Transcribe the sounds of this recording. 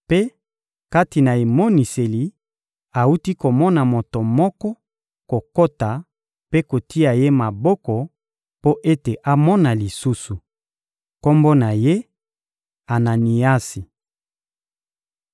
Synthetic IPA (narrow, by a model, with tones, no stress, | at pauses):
pe˦ | ka˦ti˨na˨e˨mo˦ni˨se˨li˨ | a˨u˦ti˦ko˨mɔ˦na˨mo˨to˨mɔ˦kɔ˦ | ko˨ko˦ta˨ | pe˦ko˨ti˦a˨je˦ma˨bɔ˦kɔ˨ | po˦ʔe˦te˨ʔa˦mɔ˦na˨li˨su˦su˨ | ko˦mbo˦na˨je˦ | a˨na˨ni˨a˦si˨